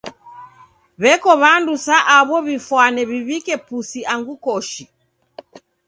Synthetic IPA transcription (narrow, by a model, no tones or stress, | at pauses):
βɛkɔβandusaʔaβɔβifwanɛβiβikɛpusiaŋɡukɔʃi